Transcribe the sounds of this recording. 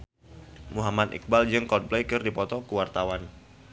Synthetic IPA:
muɦamat̪ḭk̚bald͡ʒɨŋkɔt̪̚blejkɨrdipɔt̪ɔkuwart̪awan

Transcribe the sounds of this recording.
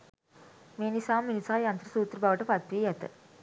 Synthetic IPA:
menisaːmːinisaːjɐnt̪ɾɐsuːt̪ɾbaːʋɐʈːɐpɐt̪ʋijɐt̪ɐ̰

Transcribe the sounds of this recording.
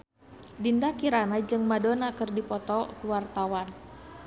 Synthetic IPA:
dindakiɾanad͡ʒɨŋmadonakɨrdipɔt̪ɔkuwart̪awan

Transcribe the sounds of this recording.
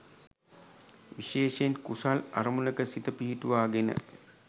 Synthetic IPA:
ʋiʃeːʃenkusalaɾəmunəkəsit̪əpiɦituʋaːɡenə̰

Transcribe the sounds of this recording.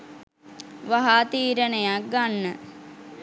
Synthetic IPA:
ʋaɦaːt̪iːɾənəjak̚ɡanːə

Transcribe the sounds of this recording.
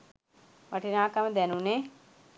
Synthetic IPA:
ʋaʈinaːkaməd̪ænune

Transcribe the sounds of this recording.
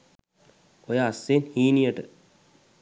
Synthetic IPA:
ojaːsːeːnhiːnijəʈə̰

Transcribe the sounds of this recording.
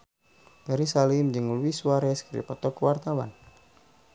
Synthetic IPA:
pɛɾisalimd͡ʒɨŋluiswaɾɛskɾḭpɔt̪ɔkwart̪awa̰n

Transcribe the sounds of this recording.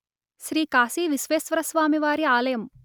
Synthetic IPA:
ʃɾiːkaːsiʋisʋeːsʋɐɾɐsʋaːmiʋaːɾiaːlɐjɐm

